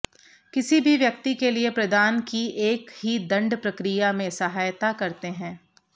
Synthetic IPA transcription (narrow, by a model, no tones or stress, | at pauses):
kɪsibʱiʋjɐkt̪ikeliepɾɐd̪aːnkiʔeːkɦid̪ɐ̃ɳɖpɾɐkɾijamẽsɐɦaːjt̪akɐɾt̪eɦɛ̃ː